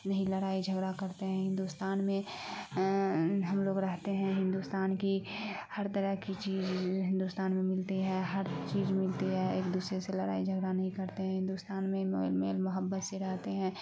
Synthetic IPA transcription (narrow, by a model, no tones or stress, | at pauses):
nɐɦĩləɾaːid͡ʒʱəɡɾakɐɾt̪eɦɛ̃ɦɪ̃nd̪ust̪aːnmẽ | ɦɐmloːɡɾɐɦt̪eɦɛ̃ɦɪ̃nd̪uːst̪aːnkihɐɾt̪əɾəɦkit͡ʃiːzɦɪ̃nd̪uːst̪aːnmẽmɪlt̪iɦɛ̃ːɦəɾt͡ʃiːzmɪlt̪iɦɛːeːkd̪uːsɾeselɐɾa̰ːid͡ʒʱəɡɾanɐɦĩkɐɾt̪eɦɛ̃ɦɪ̃nd̪ust̪aːnmẽmo̰ːlmḛːlmʊɦəbːət̪seɾɛɦt̪eɦɛ̃ː